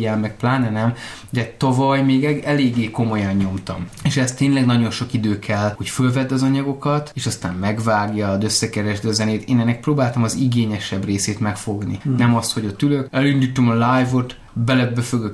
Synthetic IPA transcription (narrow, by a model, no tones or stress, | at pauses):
ɛlmɛk̚plaːnɛnɛm | d̪ɛt̪ɒvɒjmeːɡɛɛleːɡːeːko̞mo̞jɒɲːo̞mt̪ɒmeːʃɛst̪ːeːɲlɛɡnɒɟo̞nʃo̞kid̪øːkʰɛlho̞cfølvɛd̪ːɒzɒɲɒɡo̞kɒt̪eːʃɒst̪aːmːɛɡvaːɡjɒd̪ø̞sːɛkɛɾɛʒd̪ɒzɛneːt̪eːnɛnːɛk̚proːbaːlt̪ɒmɒziɡeːɲɛʃɛbreːseːt̪mɛkfo̞ɡninɛmɒst̪ho̞ɟɒt̪ylø̞kɛlynd̪yt̪ːømɒlajvo̞t̪ | bɛlɛbːøføɡøk